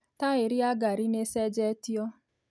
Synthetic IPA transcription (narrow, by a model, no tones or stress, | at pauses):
taeɾiaɡaɾinesɛd͡ʒɛtiɔ